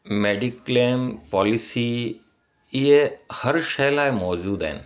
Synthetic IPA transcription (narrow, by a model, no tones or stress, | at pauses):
meːɖɪkleːmpɔːlɪsiː | ɪɦehɐɾʃɐlaːɪmɔːd͡ʑuːd̪a̰ɦɪnɪ̆